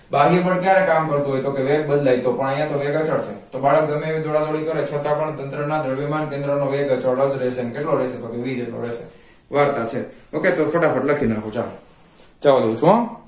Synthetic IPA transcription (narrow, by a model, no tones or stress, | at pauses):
baɡip̬əɳkjaɾekamkəɾt̪uɦojt̪okeʋeɡ̚bəd̪lajt̪opəɳəjãt̪oʋeɡət͡ʃəɽt͡ʃʰet̪obaɭək̚ɡəmeʋid̪ʱoɽad̪oɽikəɾet͡ʃʰət̪ãpəɳt̪ənt̪ɾənad̪ʱəɭʋimankend̪ɾənoʋeɡət͡ʃəɽəd͡ʒɾɛʃʰeənekeʈloɾɛʃet̪okeʋid͡ʒeʈlo̰ɾɛʃe | ʋaɾt̪at͡ʃʰeoket̪ofəʈafəʈləkʰinaɦõt͡ʃalo | t͡ʃaʋad̪out͡ʃʰuã